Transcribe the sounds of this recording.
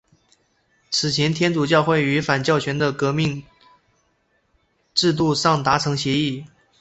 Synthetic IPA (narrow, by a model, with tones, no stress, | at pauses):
t͡sʰɹ̩˨˩t͡ɕʰjɛ˧˥nt̪ʰjɛ˥nt͡su˨˩t͡ɕjɑ˥˧ʊxwe˥˩ɪy˧˥fa˨˩nt͡ɕjɑ˥˩ʊt͡ɕʰɥɛ˧˥nd̪ə˧kɤ˧˥mi˥˧ŋ | ʈ͡ʂɻ̩˥˧t̪̬u˥˧ʂɑ˥˩ŋt̪a˧˥ʈ͡ʂʰɤ˧˥ŋɕjɛ˧˥i˥˩